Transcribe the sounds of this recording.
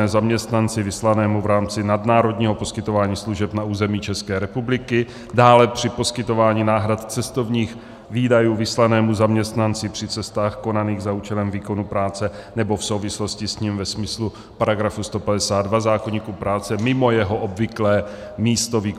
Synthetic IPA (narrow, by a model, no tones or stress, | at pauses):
ɛːzamɲɛst̪nant͡sɪvɪslanɛːmuvɾaːmt͡sɪnadnaːɾo̞dɲiːɦo̞po̞skɪt̪ovaːɲiːsluʒɛpnauːzɛmiːt͡ʃɛskɛːɾɛpublɪkɪ | daːlɛpr̥ɪpo̞skɪt̪o̞vaːɲinaːɦɾat̪t͡sɛst̪o̞vɲiːx | viːdajuːvɪslanɛːmuzamɲɛst̪nant͡sɪpr̥ɪt͡sɛst̪aːxko̞naniːɣzauːt͡ʃɛlɛmviːko̞nupɾaːt͡sɛnɛbo̞fsowvɪslo̞scɪsɲimvɛsmɪslu | paɾaɡɾafust̪o̞padɛsaːd̪dvazaːkoɲiːkuːpɾaːt͡sɛmɪmo̞jɛɦo̞ʔobvɪklɛː | miːst̪o̞viːk